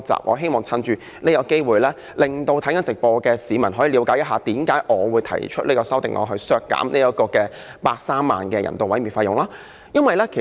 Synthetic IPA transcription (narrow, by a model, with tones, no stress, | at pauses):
t͡sa̰ː˨p̚ŋʔɔ̰ː˨˧ɦe˥jmɔː˨˩ŋt͡sʰɐ˧nt͡ʃyː˧ | ne˥jɐ˨˧wke˥jwuː˨jlɛː˥ | lɪ˨ŋt̪o˧wt̪ʰɐ˨˥ŋkɐ˨˥nt͡sɪ˨k̚pɔː˧kɛː˧siː˨˧mɐ˨˩nɦɔː˨˥jiː˨liː˨˧wkaː˨˥jɐ˥t̚ɦaː˨˧t̪iː˨˥mkaː˨˥jʔɔː˨˧wuː˨˧jt̪ʰɐ̰˨˩jt͡ʃʰɵ˥t̚le˥kɔː˧sɐ˥wt̪ɪ˨ŋʔɔ̰ː˨˧ɦɵ˧ɥsœː˧˥kːa̰ː˨˥mne˥jɐ˦˥kɔː˧kɛː˧ | paː˧k̚saː˥mːa̰ː˨nkɛː˧jɐ̰˨˩nt̪o˨wɐ˨˥jmiː˧˩nfa˧jʊ˨ŋlaː˥ | jɐ˥nwɐ˨˩jlɛː˥kʰe˨˩